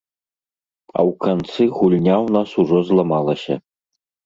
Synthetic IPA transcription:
ɐ̰wkant̪sɨɣulʲnʲawnasuʐɔzlˠɐmalˠɐsʲɐ̰

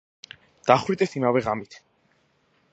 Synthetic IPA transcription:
d̪̥aχwit̪ʼɛsimavɛʁamit̪ʰ

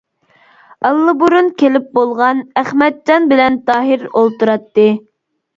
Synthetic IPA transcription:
ɑlˠːɨbuɾunkʲʰelɪp̚bolˠʁɑnæχmɛt̪̚d͡ʒɑnbɪlɛnt̪ɑːɦiɾolˠt̪uɾɑt̪ːɨ

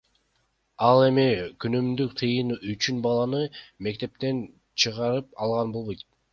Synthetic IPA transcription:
ɑlˠe̞mikynymd̪yk̚t̪ʰɯjɯnyt͡ʃynbɑlˠɑnɯme̞kt̪e̞p̚t̪e̞n | t͡ʃʰɯʁɑɾɯpɑlˠʁɑnbo̞lˠβo̞jt̪̚

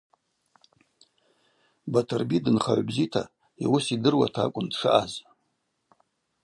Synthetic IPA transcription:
batʰɨrbidɨnχa̰ʕʷbzitʰa | iwʊsidɨrwa̰tʰakʷʼʊndʂɨʔaz

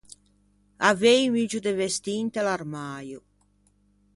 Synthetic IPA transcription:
avejmid͡ʒud̪evest̪int̪elarmaːju

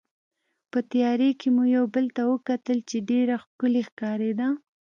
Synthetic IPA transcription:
pət̪ajɑɾekemujawbəlt̪awəkat̪əlt͡ʃeɖeɾaxkʊlexkɑɾed̪a

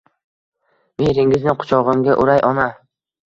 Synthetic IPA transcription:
meɾɪŋɪznɪqʰʊ̥t͡ʃʰɒʁɨmɡʲaʔʊɾajʔɒna

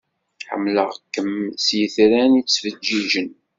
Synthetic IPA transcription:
ħə̰mːləʁkːəmsjəθɾænit͡sːvəd͡ʒːiʒən

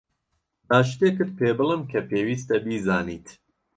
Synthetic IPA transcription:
ʔaːʃ̬t̪eːkɨd̪̚pʰeːbɨlˠɨmkʰɐpʰeːwiːst̪ɐbiːzaːniːt̪ʰ

